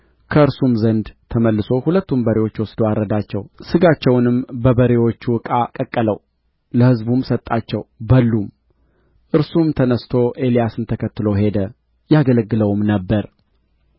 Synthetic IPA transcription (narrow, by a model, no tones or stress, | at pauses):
kʰəɨɾsumzənd̪t̪ʰəməlːɨso̞hulət̪ːumbəɾewo̞t͡ʃːwɔsd̪owaɾəd̪at͡ʃːɛwsɨɡat͡ʃːɛwnɨmbəbəɾewo̞t͡ʃːwɨkʼakʼəkʼːələw | ləhɨzbumsət̪ʼːat͡ʃːɛwbəlːum | ʔɨɾsumt̪ʰənəst̪ʰo̞ʔe̞lijasɨnt̪ʰəkʰət̪ːɨlo̞he̞d̪ə | jaɡələɡːɨləwmnəbːəɾ